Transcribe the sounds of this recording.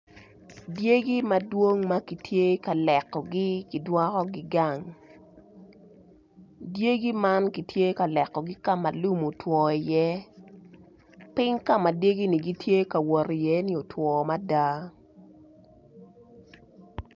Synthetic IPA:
dje˦ɡi˦ma˨dwo˦ŋma˦ki˨tʰje˦ka˨lɛ˨kːɔ˨ɡi˦ki˨dwɔ˦kɔ˦ɡɪ˦ɡa˦˨ŋ | dje˦ɡi˦ma˦nki˨tje˦ka˨lɛ˨kːɔ˨ɡi˦ka˦ma˨lu˦mo˨twɔ˨i˨jɛ˦ | pɪ˦ŋka˦ma˨dje˦ɡi˦ni˨ɡi˦tʰje˦ka˨wɔ˨ɾi˨jɛ˦ni˦o˨tʰwɔ˨ma˦da˦

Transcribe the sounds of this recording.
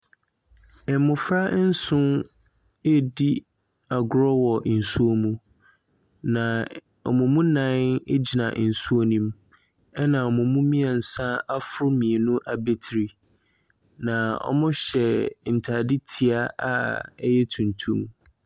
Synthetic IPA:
ɛ˨˦mʊ̃˨fɾa˦n̩˦sʊ̃˦n | e˦di˦ | a˨ɡʊ˨ɾɔ˦wɔ˨n̩˨su˦o˦mũ˦ | nã˨ | ɔ̰˨mʊ̃˨mũ˦nã˦ne˦d͡ʑi˨nã̰˨n̩˨su˦o˦nĩ˦m | ɛ˦nã˨ɔ˨mʊ̃˨mũ˦mĩ˦a˨n̩˨sã˦a˦fʊ˦ɾʊ˦mĩ˨e˨nʊ̃˦ʔa˨be˦tʰɾi˨ | nã˨ɔ̰˦mʊ̃˦ɕɛ˨n̩˨tʰa˨di˦tʰi˨a˦ʔa̰˦ɛ˦jɛ˦tʰũ˨ntʰũ˦m

